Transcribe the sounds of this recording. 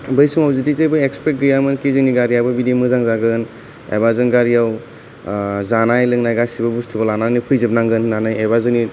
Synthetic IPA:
bɯjsumɔpzitizejbɯjekspet̚ɡɯjamɯnkizɯniɡaɾijawbɯbidemɯzaŋzaɡɯn | ḛbazɯnɡaɾijaw | zanajlɯŋnajɡasibɯbustʰubɐlananipʰɯjzɯb̚naŋɡɯnːanajebazɯni

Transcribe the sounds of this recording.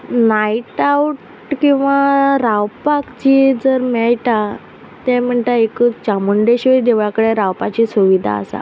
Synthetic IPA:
naiʈauʈ | kĩw̃ʋaɾawpakt͡ɕid͡zəɾmɛɭʈa | t̪ɛm̤əɳt̪aekət͡st͡ɕamuɳɖeɕid̪eʋjakəɽeɾawpat͡ɕisuʋid̪ʱa̰ːsa̰

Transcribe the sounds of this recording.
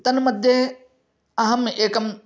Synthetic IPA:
t̪ɐnmɐd̪ʱje | ɐɦɐmeːkɐm

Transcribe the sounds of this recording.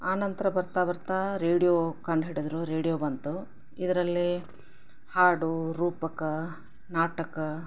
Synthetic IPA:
aːnɐnt̪ɐɾɐbɐɾt̪aːʋɐɾt̪aːɾeːɽijoːkɐɳɖɦeːɽid̪ɐɾuɾeːɽijoːbɐnt̪u | id̪ɐɾɐlːi | haːɽuɾuːpɐkɐ | naːʈɐkɐ

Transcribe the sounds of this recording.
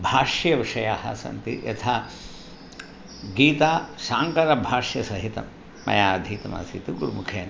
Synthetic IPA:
bʱaːʂjɐʋiʂɐjaːhɐ̰sɐ̰nt̪iʔɐt̪ʰaː | ɡiːt̪aːsaːŋkɐɾɐbʱaːʂjɐsɐɦit̪ɐmː | ɐ̰jaːɐd̪ʱiːt̪ɐma̰ːsit̪uɡuɾumukʰeːn

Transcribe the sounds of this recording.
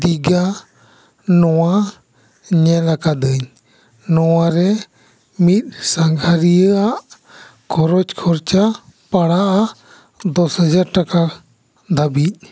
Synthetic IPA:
d̪iɡa | nɔwa | ɲɛlakad̪əɲ | nɔwaɾɛ | mit̪̚saŋɡʱaɾijəaʔ | kʰɔɾɔt͡ʃkʰɔɾt͡ʃapaɽaʔa | d̪ɔshəd͡ʒaɾʈakaɾ | d̪abic̚

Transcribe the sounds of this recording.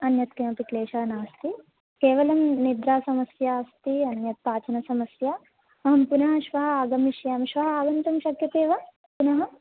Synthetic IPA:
ɐnjɐt̪kemɐpikleːʃaːnaːst̪i | keːʋɐlɐmnid̪ɾaːsɐmɐsjaːst̪iɐnjɐt̪̚paːt͡ʃɐnɐsɐmɐsjɐ | ɐɦɐmpunɐɦɐ̆ʃʋɐɦɐ̆aːɡɐmiʃjaːmʃʋɐɦɐaːɡɐnt̪ɐmʃɐkjɐt̪eːʋɐ | punɐɦɐ̆

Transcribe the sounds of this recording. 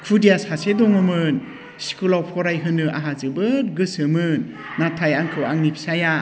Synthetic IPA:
kʰudijashasedɔŋɯmɯn | si̥kulawpʰɔɾajɦɯnɯʔa̰ɦazɯbɯɾɡɯsɯmɯnː | atʰajaŋkʰɯwaŋnipʰsaja

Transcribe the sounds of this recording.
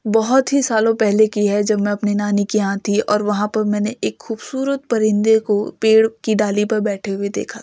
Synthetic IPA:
bɔɦʊt̪ɦisaːlõpɛɦlekiɦɛd͡ʒɐbmɛ̃ɐpnenaːnikiãːt̪ʰiɔ̰ːɾʋɐɦãpɐɾmɛ̃ːneʔeːkxuːbsuːɾət̪̚pɐɾɪ̃nd̪ekopeːɽkiɖaːlipɐɾbɛːʈʰeɦued̪ḛːkʰat̪ʰː

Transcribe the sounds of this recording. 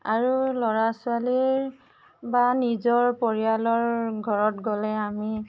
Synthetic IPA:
aɹulɔɹasʊaliɹ | banizɔɹpɔɹialɔɹɡʱɔɹɔtɡɔlɛami

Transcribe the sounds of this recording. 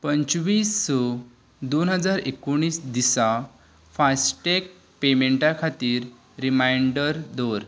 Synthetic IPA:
pəɲt͡ɕʋiːsːɔ | d̪onɦəd͡zaɾekoɽ̃iːsd̪isa | fasʈek̚ | pemeɳʈakʰat̪iːɾː | imajɳɖəɾd̪oɾ

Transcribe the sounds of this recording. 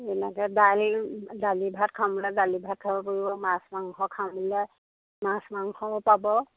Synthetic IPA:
ɛnɛkɛdalzalibʱatkʰamulɛzalibʱat̚kʰabɔpoɹibɔmãsmaŋxɔkʰamlɛ | mãsmaŋxɔpabɔ

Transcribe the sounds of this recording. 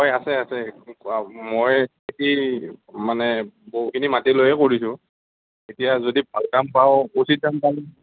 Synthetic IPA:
ɔjasɛasɛ | moj | eki | manɛboɦukʰinimatilojɛkoɹisʊ̃ | etijazodib̚ʱalkampawusit̚kampa

